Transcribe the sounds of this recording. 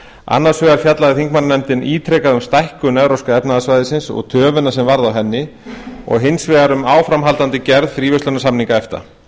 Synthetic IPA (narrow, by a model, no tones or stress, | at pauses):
a̰nːaɾ̥svœːɣaɾ̥fjat̪laðɪθiŋkmanːanɛmt̪ɪniːt̪ʰɾɛkaðʏmst̪ajhkʏnɛðɾɔwskaɛpnaðasvajðɪsɪnsɔ̰ɣt̪ʰœːvʏnːasɛmvaɾðawɦɛnːɪɔ̰ɣɦɪnsvɛaɾʏmaːwfɾamɦalt̪ant̪ɪcɛɾðfɾiːvʏst̪œnasamniŋkaɛft̪a̰